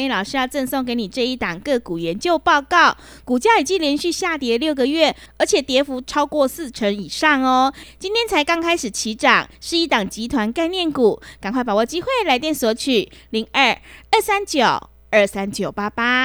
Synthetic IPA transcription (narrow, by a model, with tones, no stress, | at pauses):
lɑ˨˩ʊʂɻ̩˥jɑ˥˧ʊʈ͡ʂə˥˧ŋso˥˩ŋk̬e˧˥ɪni˨˩ʈ͡ʂɤ˥˧i˥˩t̪ɑ˨˩ŋkɤ˥˩ku˨˩ɥɛ˧˦nt͡ɕjo˥˧ʊpɑ˥˧ʊkɑ˥˩ʊ | ku˨˩t͡ɕja˥i˨˩t͡ɕi˥˧˨ljɛ˧˥nɕy˥˧ɕja˥˩t̪jɛ˧˥ljo˥˩ʊɡə˨ɥɛ˥˩ə˞˨˧˥t͡ɕʰjɛ˨˩t̪jɛ˧˥fu˧˥ʈ͡ʂʰɑ˥ʊkwɔ˥˧sɹ̩˥˩ʈ͡ʂʰə˧˥ŋi˨˩ʂɑ˥˩ŋɔ˧t͡ɕi˥nt̪ʰjɛ˥nt͡sʰa˧˥ɪkɑ˥ŋkʰa˥ɪʂɻ̩˨˩t͡ɕʰi˧˥ʈ͡ʂɑ˨˩ŋʂɻ̩˥˧i˥˩t̪ɑ˨˩ŋt͡ɕi˧˥t̪ʰwa˧˥nka˥˧ɪnjɛ˥˩nku˨˩˦ka˨ŋkwa˥˩ɪpa˨˩wɔ˨˩t͡ɕi˥xwe˥˩ɪla˧˥ɪt̪jɛ˥˨nswɔ˧˥t͡ɕʰy˨˩li˧˥ŋə˥˩ə˥˩sa˦˥nt͡ɕjo˨˩ʊ | ə˞˥˩sa˦˥nt͡ɕjo˨˩ʊpa˥pa˦˥